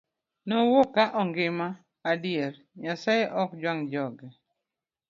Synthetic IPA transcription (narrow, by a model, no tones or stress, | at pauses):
nowokaʔɔŋɡɪmaː | djeɾ | ɲasaʔɔkd͡ʒwaŋd͡ʒɔɡɛ